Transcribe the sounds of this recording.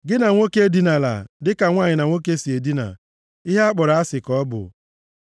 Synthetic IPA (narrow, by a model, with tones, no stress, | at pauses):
ɡɪ˦na˨ŋʷo˦ke˦di˦na˨la̰˨dɪ˦ka˨ŋʷaː˦˨ɲɪ˨na˨ŋʷo˦k̬e˦si˨e˨di˦na̰˨ | i˦ɦa˦k͡pɔ˨ɾa˨a˦sɪ˨kɔ˦bʊ̰˨